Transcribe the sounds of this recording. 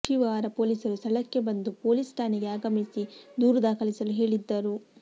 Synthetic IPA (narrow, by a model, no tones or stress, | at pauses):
ʃiʋaːɾɐpo̞ːlisɐɾust̪ʰɐɭɐkːe̞bɐnd̪upo̞ːlisʈʰaːneɡe̞aːɡɐmisid̪uːɾɐd̪aːkʰɐlisɐluɦe̞ːɭid̪ːɐɾu